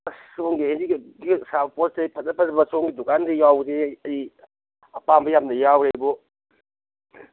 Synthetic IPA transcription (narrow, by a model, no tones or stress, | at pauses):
soŋɡiheziksabpot̚depʰɐt̚ːɐpʰɐtbɐsoŋɡidukandejawseɐɾi | ɐpambɐjamnɐjawɾebɔ